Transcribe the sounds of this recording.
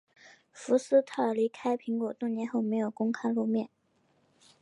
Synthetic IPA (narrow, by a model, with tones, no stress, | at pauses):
fu˧˥sɹ̩˥t̪ʰa˥˩ə˞˨˩li˧˥kʰa˥ɪpʰi˧˥ŋkwɔ˨˩t̪ʊ˥˩ŋnjɛ˧˥nxo˥˩ʊme˧˥ɪjo˨˩ʊkʊ˥ŋkʰa˥ɪlu˥˧mjɛ˥˩n